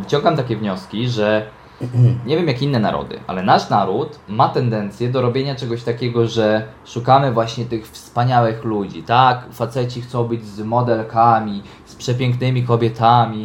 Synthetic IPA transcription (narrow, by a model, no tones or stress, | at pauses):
vɘt͡ɕɔ̃ŋɡamt̪akʲɛvɲɔskʲiʐɛ | ɲɛvʲjɛmjakʲinːɛna̰ɾɔ̰d̪ɘ̰ʔa̰lɛnaʂnaɾut̪mat̪ɛnd̪ɛnt̪sʲjɛd̪ɔɾɔbʲjeɲat͡ʂɛɡɔɕt̪akʲɛɡɔʐɛ | ʂukamɘvwaɕɲɛt̪ɘxfspaɲawɘxlud͡ʑḭt̪akfat̪sɛt͡ɕixt̪sɔ̃w̃bɘd͡ʑzmɔd̪ɛlkamʲi | spʂɛp̬ʲjɛŋknɘmʲikɔbʲjɛt̪amʲi